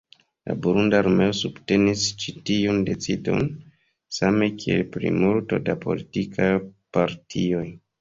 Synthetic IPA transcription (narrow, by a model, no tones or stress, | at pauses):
la̰buɾundaːɾme̞osub̥te̞nist͡ʃitiunde̞t͡sido̞̰n | same̞kʰie̞̰lpɾḭmulto̞dapo̞̰litikʰajpaɾtʰio̞j